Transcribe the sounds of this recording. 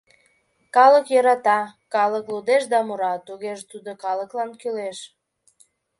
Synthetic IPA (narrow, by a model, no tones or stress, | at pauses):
kɑləkjɤɾɑt̪ɑkɑləklud̪eʃd̪ɑmuɾɑt̪uɣeʒt̪ud̪okɑləklɑnkyleʃ